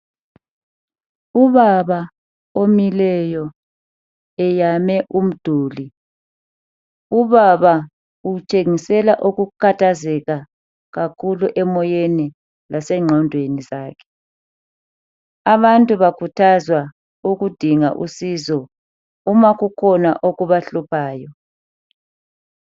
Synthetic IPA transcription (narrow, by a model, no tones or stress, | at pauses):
uβaβa | omilɛjɔ | ɛjamɛʔum̩d̥ʱuːli | uβaβa | ut͡ʃʼeŋisɛlaʔuɣukʰatʰazɛɣa | ɣakʰuluʔɛmɔjeni | lasɛŋ͡ǁʱɔndʱwenizaːkʰɛ̥ | aβantʼuβakʰutʰazwa | uɣud̥ʱiŋaʔṵsizɔ | umaɣukʰɔna̰ʔoɣuβaɬupʰaːjɔ